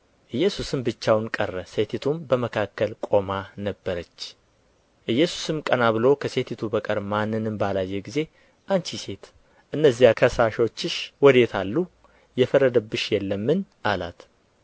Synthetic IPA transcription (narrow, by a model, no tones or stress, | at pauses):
ʔɨjːɛsusɨmbɨt͡ʃːawnkʼərːəse̞t̪ʰit̪ʰumbəməkʰakːəlkʼo̞manəbːəɾət͡ʃː | ʔɨjːɛsu̥sɨmkʼənaβɨlo̞kʰəse̞t̪ʰit̪ʰubəkʼəɾmanːɨnɨmbalajːeɡize̞ | ʔant͡ʃise̞t̪ | ʔɨnːəzːijakʰəsaʃo̞t͡ʃːɪʃwɔd̪e̞t̪ʰalːu | jɛfəɾəd̪əbːɨʃjɛlːəmːɨnʔala̰t̪